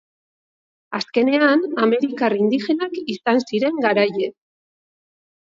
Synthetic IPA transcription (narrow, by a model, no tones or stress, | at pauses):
aske̞ne̞aname̞ɾikarind̪ixe̞nakisansiɾe̞ŋɡaɾaje̞